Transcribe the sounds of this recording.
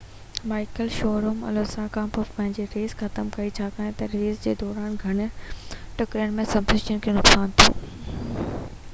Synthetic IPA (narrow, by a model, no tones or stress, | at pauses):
maːɪkəlʃɔːɾoːmɐ̰loːsãkãːpɔfpɐ̃ɦɪ̃ɲd͡ʑeɾeːzxʰɐt̪əmkɐit͡ɕʰaːkaːẽt̪ɐɾʋiːzd͡ʑeːd̪ɔːɾaːnɡʱɐɽ̃̆ʈʊkɾiənɪ̆mẽsɐbzɪt͡ɕəñkʰeːnʊksaːnt̪ʰo̰ː